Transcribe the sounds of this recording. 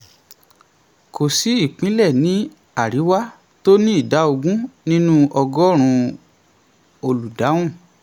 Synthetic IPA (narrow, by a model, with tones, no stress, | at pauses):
ko˨si˨˦i˦˨k͡pĩ˨˦lɛ˦˨nĩ˨˦ | a˦˨ɾi˨˦wa˦ | to˦nĩ˦i˦˨da˨˦o˧ɡũ˦nĩ˦nũ˦ʔɔ˧ɡɔ˦ɾ̃ũ˧ | o˧lu˨da˨˦w̃ũ˦˨